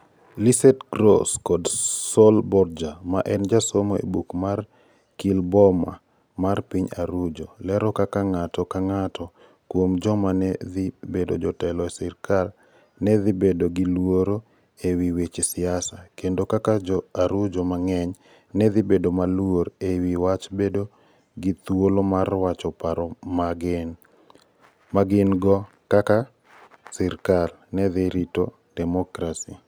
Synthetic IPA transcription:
lisɛtɡɾo̰skɔdsolbɔɾd͡ʒamaʔɛnd͡ʒasomoḛbukmar | kilbɔma̰ | marpiɲaɾud͡ʒolɛɾɔkakaŋatɔkaŋatʰɔ | kwomd͡ʒɔmanɛðibedo̰d͡ʒɔtɛlɔɛsɛɾkal | nɛðibedoɡilwoɾo | ewiwet͡ʃsɪasakendokakad͡ʒɔaɾud͡ʒɔmaŋɛɲ | nɛðɪbedomalwoɾewiwat͡ʃbedo | ɡit̪wolomarwat͡ʃɔpaɾɔmaɡɪn | maɡɪnɡɔ | kaka | siɾkal | nɛðɪɾito | dɛmɔkɾasi

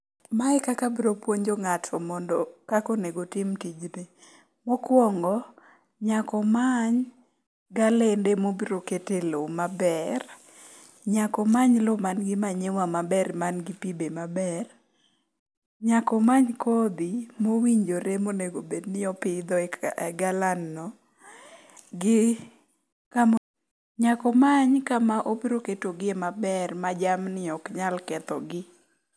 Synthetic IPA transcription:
maɛkakabiɾopwoɲd͡ʒoŋatʰɔmɔndɔkakoneɡotɪmtid͡ʒnɪ | mɔkwɔŋɡɔ | ɲakɔmaɲ | ɡalendemobiɾoketelomabɛr | ɲakɔmaɲlomanɡɪmaɲewamabɛrmanɡipibemabɛr | ɲakɔmaɲkod̪ɪmowiɲd͡ʒoɾemoneɡobednɪɔpɪd̪ɔɛɛɡalanːɔ | ɡɪ | kam | ɲakɔmaɲkamaʔobiɾoketoɡɪemabɛrmad͡ʒamnɪɔkɲalkɛt̪ɔ̰ɡɪ

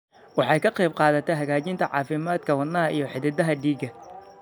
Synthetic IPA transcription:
wɑħɑjkʰɐqɑjb̚qɑːðɐt̪ʰɛjɦɐɣaːt͡ʃɪnt̪ʰɐʕɑ̰ːfɪmaːd̪kʰɐwɐnːɐɦɐʔijɞħɪðɛd̪ɐɦɐɖiːɡɐ

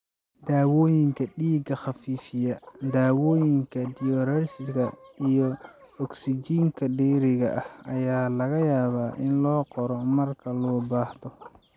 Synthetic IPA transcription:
d̪aːwɔːjɪŋkʰɐɖiːɡɐχɑfiːfɪjɐd̪aːwɔːjɪŋkʰɐd̪ɪjɔɾɛrsɪɣɐijɔ | ɔksɪd͡ʒiːŋkʰɐɖɛːɾɪɣɐʔɐhɐjaːlɐɣɐjaːβaːʔɪnlɔːqɔɾɔmɐrkʰɐlɔːbaːhðɔ

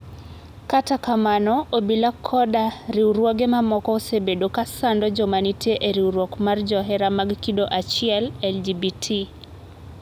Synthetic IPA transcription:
katakamanɔobilakʰɔdaɾiuɾwɔɡemamɔkɔosebedokasandɔd͡ʒɔmanitieʔeɾiuɾwɔkmard͡ʒɔɦɛɾamaɡkidoʔat͡ʃɪɛlɛld͡ʒibitʰi

